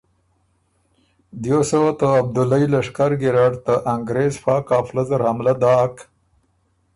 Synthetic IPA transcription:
d̪josəwat̪əab̚d̪ʊlailaʂkaɾɡɪɾaɖt̪aʔaŋɡɾezfɑːkɑːflazaɾhamlad̪ɑːk

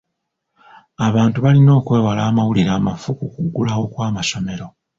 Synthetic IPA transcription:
aβaːntuβalino̞ːkwe̞ːwalaːmawuliɾaːmafukukuɡːulawo̞kwaːmaso̞me̞ɾo̞

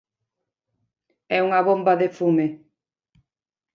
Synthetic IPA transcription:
ɛuŋɐβombaðefume

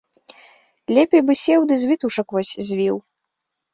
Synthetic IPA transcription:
lʲɛpʲejbɨsʲɛwd̪ɨzʲvʲit̪uʂɐkvɔsʲzʲvʲiw

